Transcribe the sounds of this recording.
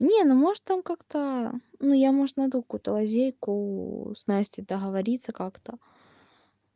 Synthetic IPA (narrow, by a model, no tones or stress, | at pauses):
nʲenumo̞ʐt̪t̪ːamkakt̪ənujamoʐɨt̪nɐd̪ukɐ̥kujʊt̪əlˠɐzʲejkʊsnasʲtʲɪd̪əɣəvɐɾʲit̪sːəkakt̪ə